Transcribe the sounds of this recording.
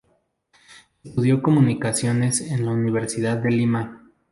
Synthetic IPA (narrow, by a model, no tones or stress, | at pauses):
est̪uðjo̞ko̞mũnikasjo̞ne̞senlauniβ̞e̞ɾsiðaðːe̞lima